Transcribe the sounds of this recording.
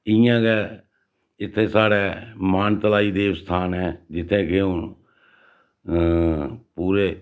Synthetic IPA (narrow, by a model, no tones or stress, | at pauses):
ɪjãːkɛː | ɪt̪ʰːeːsaːɽeːmaːnt̪əlaːiːd̪eːʋst̪ʰaːnɦɛːd͡ʒɪt̪ʰːẽːkeːʊ | puːɾeː